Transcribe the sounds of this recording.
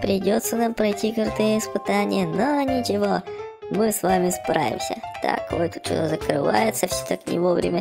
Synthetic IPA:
pɾʲɪdʲot̪sːənampɾɐjtʲikɐrt̪ɨjəɪspɨt̪anʲɪ̰jənonʲɪt͡ʃɪvo | mɨsvamʲɪspɾa̰vʲɪ̰msʲə̰t̪a̰kojt̪u̥t̪t͡ɕo̰t̪azəkɾɨva̰jɪt̪səfsʲot̪aknʲɪ̰vovɾʲɪ̰mʲə

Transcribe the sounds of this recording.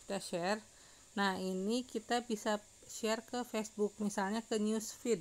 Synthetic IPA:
t̪aʃɛr | nahinikit̪abisa | ʃɛrkəfɛsbuk̚misalɲakəɲusfid̪̚

